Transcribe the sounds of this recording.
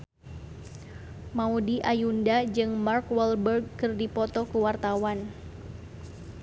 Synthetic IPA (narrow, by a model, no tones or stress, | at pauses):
maudiʔajundad͡ʒɨŋmarkwɛlbərɡ̚kɨrdipɔt̪ɔkəwart̪awan